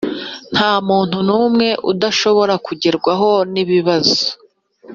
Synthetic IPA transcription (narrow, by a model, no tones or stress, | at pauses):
n̥haːmuːn̥hunuːmŋe̞ʔudaʃo̞βo̞ɾakuɟeɾɡwaɦo̞niβiβazo̥